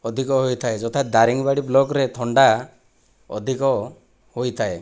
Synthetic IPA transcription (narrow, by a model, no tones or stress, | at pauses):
ɔd̪ʱikɔɦojt̪ʰaed͡ʒɔt̪ʰad̪aɾiŋbaɽiblɔkɾet̪ʰɔɳɖa | ɔ̰d̪ʱikɔ | hojt̪ʰae